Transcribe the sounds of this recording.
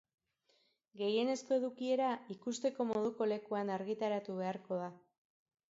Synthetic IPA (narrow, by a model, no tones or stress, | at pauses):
ɡe̞je̞ne̞sko̞e̞ðukie̞ɾaikust̪e̞ko̞mo̞ðuko̞le̞kuanaɾɣit̪aɾat̪uβ̞e̞aɾko̞ð̞a